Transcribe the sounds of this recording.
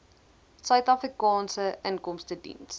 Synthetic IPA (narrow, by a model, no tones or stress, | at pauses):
sœɥtɑfrikɑːnsəʔəŋkɔmstədḭns